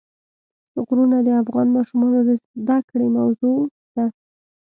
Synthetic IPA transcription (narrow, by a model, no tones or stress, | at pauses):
sʊɣɾunad̪əafɣɑnmɑʃumɑnod̪əzd̪akɽemawzo | d̪̥a